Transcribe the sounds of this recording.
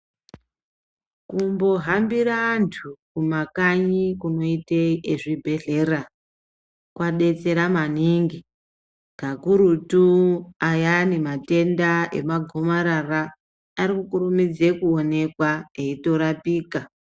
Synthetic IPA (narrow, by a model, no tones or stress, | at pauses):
kumbo̞ɦambiɾaːntʰukumakaɲikuno̞iteeʐibʱe̞ɮe̞ra | kwaɗe̞t͡se̞ɾamaniŋɡi | ɡ̥ʱakuɾutuajanemate̞ndae̞̰maɡʱo̞maɾaraː | ɾikukurumid͡ze̞kuo̞ne̞kwaeito̞ɾapiːka